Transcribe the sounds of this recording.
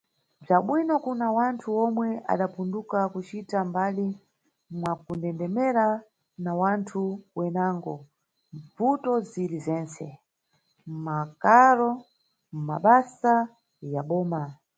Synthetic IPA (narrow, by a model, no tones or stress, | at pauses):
b͡ʐaɓwinɔkunawantʰuɔmwɛa̰ɗapundukakut͡ʃitambali | mwakundɛndɛmɛɾa | nawantʰuwɛnaːŋɡɔ | ɱvutɔzilizɛːnt͡sɛ | mmakaɾɔ | m̩maɓasa | jaɓɔːma